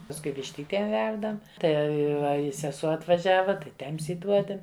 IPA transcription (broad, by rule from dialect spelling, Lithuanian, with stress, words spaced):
pɐsˈkʊɪ ʋʲɪʃʲˈtʲiːtʲeːm ˈʋʲɛrdɐm ˈtɐɪ ˈʋɐ ɪ sʲɛˈsuɔ ɐtʋɐˈʒʲæːʋɐ tɐɪ ˈtʲɛms iːˈduɔdʲɛm